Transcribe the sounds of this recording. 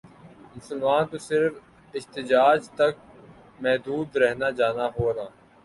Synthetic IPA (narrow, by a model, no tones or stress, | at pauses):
mʊsəlmaːnt̪osɪɾf | ɪɦt̪ɪd͡ʒaːd͡ʒt̪ɐk̚ | mɛɦd̪uːd̪ɾɛɦnad͡ʒaːnaɦoːnaː